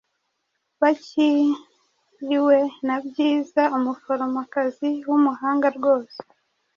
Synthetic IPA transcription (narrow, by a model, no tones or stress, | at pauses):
βaci | jiwe̞nabɟiːzaumufoɾomakaziwumuhaːŋɡaɾɡo̞ːse̥